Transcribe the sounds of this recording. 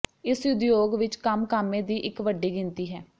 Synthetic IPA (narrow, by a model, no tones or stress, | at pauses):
ɪsjʊd̪joːɡʋɪt͡ʃkəmkaːmːẽːd̪iːʔɪkʋəɖːiːɡɪnt̪iːɦɛː